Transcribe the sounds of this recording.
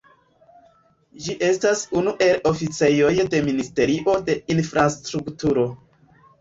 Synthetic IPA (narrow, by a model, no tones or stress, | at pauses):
d͡ʒiʔe̞stasunuʔe̞lo̞fit͡se̞jo̞jde̞ministe̞ɾiʔo̞de̞infɾastɾuktuɾo̞